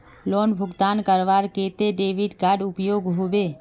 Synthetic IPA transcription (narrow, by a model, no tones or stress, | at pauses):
loːnbʱʊɡt̪aːnkəɾʋaːɾkeːt̪eɖeːʋɪɖkaːɖʊpjoːɡɦoːbeː